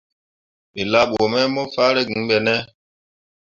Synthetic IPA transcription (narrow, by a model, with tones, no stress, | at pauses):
mi˨la˦ɓo˨mɛ˦mɔ˦fa˦ɾɛ˦ɡi˨˦bɛ˨nɛ˦